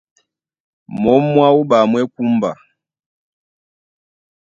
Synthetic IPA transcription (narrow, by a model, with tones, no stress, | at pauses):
mɔ˨˦mːwa˦u˦ba˨mwɛ˦ku˦mba̰˨